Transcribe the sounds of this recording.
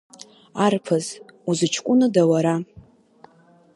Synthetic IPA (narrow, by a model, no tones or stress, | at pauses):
arpʰɨzuzɨt͡ʃʰkʷʼʊnɨdawaɾa